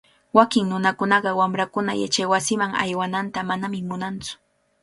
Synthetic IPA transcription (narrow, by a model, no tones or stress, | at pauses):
wakɪŋnʊnakʊnɑɢɑwamɾakʊna̰ja̰t͡ʃajwasɪmaŋa̰jwanant̪amanamɪmʊnant͡sʊ̥